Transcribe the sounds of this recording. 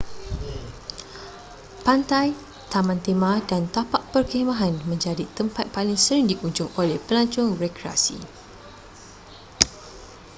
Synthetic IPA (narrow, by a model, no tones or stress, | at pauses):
pant̪aj | t̪amãnt̪emãdant̪apaʔpərkemãɦanmə̃ɲd͡ʒadit̪əmpat̪̚palɪŋsəɾɪŋdikuɲd͡ʒʊŋolehpəlaɲt͡ʃʊŋrekɾia̰sḭ